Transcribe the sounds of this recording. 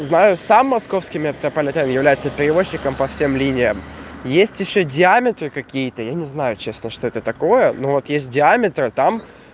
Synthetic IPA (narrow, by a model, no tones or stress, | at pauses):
znajʊsamːɐsko̞fskʲɪmʲɪɐpʲt̪ɾəpəlʲɪt̪amjɪvlʲæjɪt̪səpʲɪɾʲɪvo̞ɕːɪkəmpɐfsʲemlʲinʲɪjəmjesʲtʲjɪɕːodʲɪamʲɪt̪rɨkɐkʲijət̪əjanʲɪznajʊt͡ɕe̞snəʂt̪oɛt̪ət̪ɐko̞jənovo̞t̪jesʲt̚ʲdʲɪamʲɪt̪ɾɨt̪am